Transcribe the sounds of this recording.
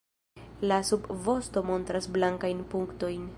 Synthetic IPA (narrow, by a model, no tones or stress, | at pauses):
lasubvo̞sto̞mo̞ntɾasblaŋkajnpuŋkto̞jn